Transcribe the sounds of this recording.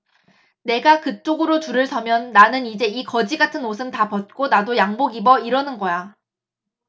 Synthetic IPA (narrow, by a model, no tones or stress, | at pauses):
ne̞ɡakɯt͡ɕ͈oɡɯɾotuɾɯɭsʰʌmjʌnːanɯnid͡ʑe̞ikʌd͡ʑiɡatʰɯnosʰɯmtapʌt̚k͈onadojaŋboɡibʌiɾʌnɯnɡʌja